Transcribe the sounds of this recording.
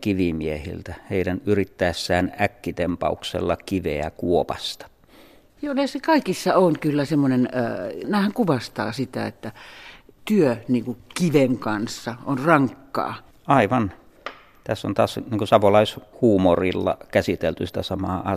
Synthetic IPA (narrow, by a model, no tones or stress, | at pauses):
kiʋimiehḭlt̪æheˑidænyrit̪ːæesːæːnækːit̪empɑ̰uksḛlːɑkiʋeæ̰kuopɑ̰st̪ɑ̥ | joːnesekɑikisːɑonkylːæsemːonenːnæːhæŋkuʋɑst̪ɑ̰ːsit̪æ̰et̪ːæt̪yøniːŋkukiʋeŋkɑnsːɑʔonrɑŋkːɑ̰ː | ɑˑiʋɑn | t̪æsːo̰nt̪ɑːsniːŋkusɑʋolɑishuːmorilːɑ̰kæsit̪elt̪ysi̥t̪æsɑmɑːɑ